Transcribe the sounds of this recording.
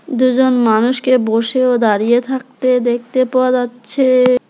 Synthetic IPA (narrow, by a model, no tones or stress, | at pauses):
d̪ud͡ʑonmanuʃkeboʃeod̪aɾijet̪ʰak̚t̪ed̪ek̚ʰt̪epɔad̪atːɕʰe